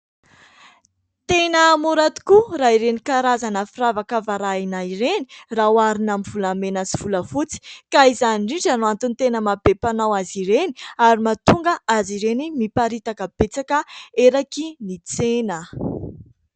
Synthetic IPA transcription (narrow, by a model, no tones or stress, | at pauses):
t̪enəmuɾat̪i̥kuraiɾenikaɾazanəfiravakavaɾainaiɾenirawaɾinamivulamenaziv̥uləfut͡si̥kaizaniɳɖ͡ʐiɳʈ͡ʂanuant̪unt̪enəmabepanawaziɾeni̥aɾimat̪uŋɡəaziɾenimipaɾit̪akəb̥et͡sakəeɾakinit͡senə